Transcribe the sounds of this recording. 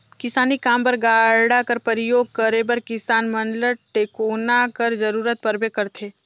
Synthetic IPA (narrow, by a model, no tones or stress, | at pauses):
kɪsaːnikaːmpɐɾɡaːɾɽakɐɾpəɾɪjoːɡ̚kəɾebɐɾkɪsaːnmɐnləʈeːkoːnakəɾd͡ʒɐɾuːɾət̪̚pɐɾbekɐɾt̪ʰeː